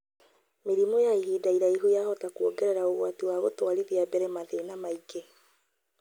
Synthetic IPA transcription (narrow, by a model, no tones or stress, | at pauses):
meɾimɔjaiɦiːdaiɾaiɦojaɦɔtakwoɡɛɾɛɾaoɣwatiwaɣotwaɾiðiabɛɾɛmaðenamaike